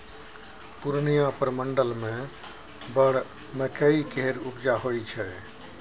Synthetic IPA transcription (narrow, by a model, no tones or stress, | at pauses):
puɾnijãpəɾməɳɖəlmẽ | bəɽ | mekəikeɦeɾupd͡ʒaɦojt͡ʃʰɛ